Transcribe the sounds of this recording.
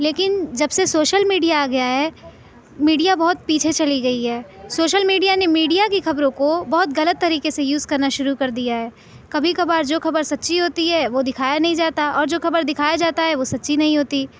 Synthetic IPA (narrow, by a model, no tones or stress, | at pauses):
leːkɪnd͡ʒɐbsesoːʃəlmiːɖijaːɡɐjaɦɛː | miːɖijabɐɦʊt̪̚piːt͡ʃʰet͡ʃɐliɡɐiɦɛːsoːʃəlmiːɖijanemiːɖijakixɐbɾõkobɔɦʊt̪ɣɐlət̪ːɐɾiːkesejuːzkɐɾnaʃʊɾukɐɾd̪ijaɦɛː | kɐbʱikɐbaːɾd͡ʒoːxɐbəɾsɐt̪ːʃʰiɦoːt̪iɦɛʋod̪ɪkʰaːjanɐɦĩd͡ʒaːt̪aʔɔːɾd͡ʒoːxɐbəɾd̪ɪkʰaːjad͡ʒaːt̪aɦɛʋosɐtːʃʰinɐɦĩɦoːt̪i